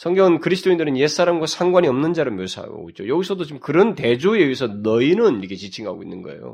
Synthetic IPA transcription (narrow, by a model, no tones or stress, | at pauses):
sʰʌŋɡjʌŋɯnkɯɾisʰɯt͈oindɯɾɯnjes͈aɾamɡwasʰaŋɡwaɲiʌmnɯnd͡ʑaɾɯɭmjosʰa̰ɡo̰ɡo̰it͡ɕojʌɡisʰʌdot͡ɕimkɯɾʌnte̞d͡ʑueɥisʰʌnʌinɯniɾkʰet͡ɕit͡ɕʰiŋɦa̰ɡoḭnːɯnɡʌ̰e̞̰jo̰